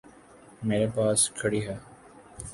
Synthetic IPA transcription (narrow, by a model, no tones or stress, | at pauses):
meːɾepaːskʰəɽiːɦɛː